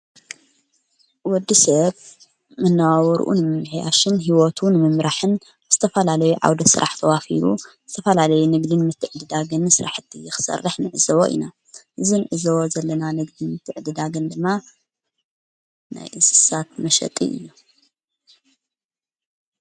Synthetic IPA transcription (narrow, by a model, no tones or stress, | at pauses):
wɔd̪ːisɐβ | mɨnːawawɔɾ̰ʔṵnɨmɨmħja̰ʃɨnɦiwot̪ʰunɨmɨmɾaħɨn | z̥ɨt̪ʰɐfɐlalɐjuʕa̰wd̪ɐsɨ̰ɾʔaħt̪ʰɐwafḭɾuzɨt̪ʰɐfɐlalɐjunɨɡd̪inmɨt̪ʰːɨʕd̪ɨd̪aɡɨnsɨɾaħɨt̪ʰːijɪxɨ̥sɐ̰rːɨħnɨʕɨzɐwoʔḭna | ʔɨzinɨʕɨzowozɐlːɐnanɨɡd̪inmɨt̪ʰːɨʕd̪ɨd̪aɡɨnd̪ɨmːa | na̰jʔɨsɨ̥sat̪̚mɐʃɐ̰t̪ʼḭʔɨ̰jːu